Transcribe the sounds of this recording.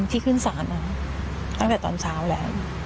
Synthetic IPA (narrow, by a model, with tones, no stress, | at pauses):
mt̪ʰiː˥˩kʰɯ˥˩nsaː˩˦nʔa˧˥˩ | t̪a˥˩ŋt̪ɛː˨˩t̪ɔ̰ː˧nsʰaː˦˥wlɛː˦˥w